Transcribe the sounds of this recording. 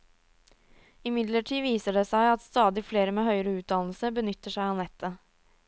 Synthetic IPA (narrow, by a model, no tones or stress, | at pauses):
ɪmɪd̪ləʈʰiːʋiːsəɖɛsæɪɑt̪st̪ɑːd̪ɪfleːɾəmeːɦhœʏəɾəʉːd̪ɑnl̩səbənʏt̪ːəʂæɪɑːnɛt̪ʰːə